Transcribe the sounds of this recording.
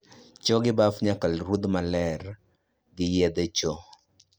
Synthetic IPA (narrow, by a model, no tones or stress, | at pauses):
t͡ʃɔɡɪbafɲakalɾud̪malɛr | ɡɪjɛd̪et͡ʃɔ